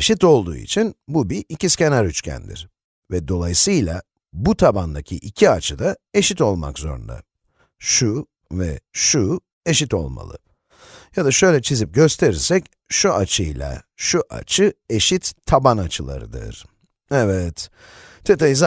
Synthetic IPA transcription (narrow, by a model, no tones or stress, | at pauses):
ʃit̪o̞lˠd̪uːḭt͡ʃʰinbubiicisce̞naɾyt͡ʃcʰæ̰nd̪ḭɾ̥ | vɛd̪o̞lˠajisɯjlˠa̰ | but̪ʰaband̪acʰiʔicʰiat͡ʃʰɯd̪ae̞ʃit̪o̞lˠma̰kzo̞̰ɾṵnd̪a̰ | ʃu | vɛ̰ʃu | e̞ʃit̪o̞̰lˠma̰lˠɯ̰ | jad̪aʃø̞jlʲɛt͡ʃʰizip̚ɟø̞st̪ʰe̞ɾiɾsɛc | ʃuʔat͡ʃʰɯjlʲˠa̰ʃuʔa̰t͡ʃʰɯe̞ʃit̪ʰːabanat͡ʃʰɯlˠa̰ɾɯd̪ɯ̰ɾ̥ | ɛvɛt̪ | t̪ʰet̪ajiz